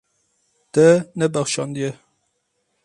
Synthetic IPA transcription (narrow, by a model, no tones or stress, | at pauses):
t̪ɛnɛbæxʃɑnd̪ijɛ